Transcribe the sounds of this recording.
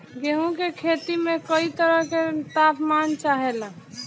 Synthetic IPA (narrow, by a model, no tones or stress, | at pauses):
ɡeɦũkekʰet̪imekəit̪əɾəɦket̪apmant͡ʃaɦela